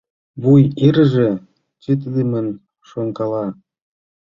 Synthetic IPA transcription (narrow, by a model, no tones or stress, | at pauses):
βujiɾəʒĕ | t͡ɕet̪̬id̪emən | ʃoŋkɑlɑ